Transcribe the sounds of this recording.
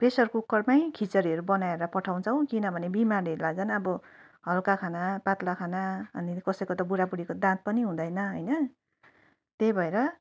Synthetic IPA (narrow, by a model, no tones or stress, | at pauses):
pesʌrkukːʌrmajkʰit͡sʌɾiʌɾubʌnaeɾʌpʌʈʰaw̃t͡sʰʌw̃kinʌbʱʌnebimariʌɾulaɡd͡zʌnʌbʌ | ɦʌlkakʰanapat̪lakʰanaʌnikʌsʌjkot̪ʌbuɾapuɽekod̪ãt̪̚pʌniɦũd̪ʌjnʌɦʌjnʌ | t̪ebʱʌeɾʌ